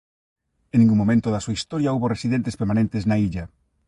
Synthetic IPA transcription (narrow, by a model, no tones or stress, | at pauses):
ẽnːĩŋɡuŋmːomẽnt̪oðɐsuaist̪ɔɾjɐuβoresiðent̪espeɾmanẽnt̪eznaiʎɐ